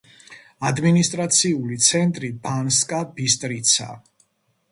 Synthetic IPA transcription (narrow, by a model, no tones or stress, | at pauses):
ad̪minist̪ʼɾat̪sʰiulit̪sʰɛnt̪ʼɾibanskʼabis̬t̪ʼɾit̪sʰa̰